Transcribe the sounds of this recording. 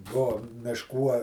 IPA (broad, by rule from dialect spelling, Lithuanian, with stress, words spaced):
ˈbuɔ mʲɪʃˈkuː ɐ